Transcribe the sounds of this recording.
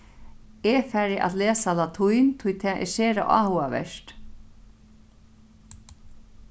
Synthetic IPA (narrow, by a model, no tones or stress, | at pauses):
ɛfæːɾɪʔa̰t̪leːsalat̪ʰujnt̪ʰʊjt̪ʰɛːʔɛ̰seːɾa̰ʔa̰ːhuaʋɛ̰ʃt̪